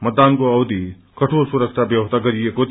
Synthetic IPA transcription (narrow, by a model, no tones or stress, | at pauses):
mɐd̪ankoɐwd̪i | kɐʈʰolsuɾɐksʈʰabjɐwɐst̪ʰaɡɐɾijeko